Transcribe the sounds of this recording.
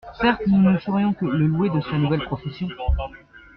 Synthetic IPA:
sɛʁt̪nunəsəʁjɔ̃kələlwed̪əsanuvɛlpχɔfesjɔ̃

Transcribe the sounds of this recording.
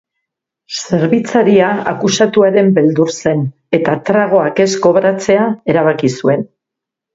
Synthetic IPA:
se̞ɾβit͡saɾiaa̰kusat̪uaɾe̞mbe̞ld̪uɾse̞n | e̞t̪at̪ɾaɣ̞o̞ake̞sko̞βɾat͡se̞ae̞ɾaβ̞akisue̞n

